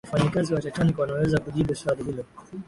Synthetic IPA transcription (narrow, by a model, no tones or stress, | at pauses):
faɲikaziwat͡ʃat͡ʃanikwanawɛzakuʄiɓuswaɾihilɔ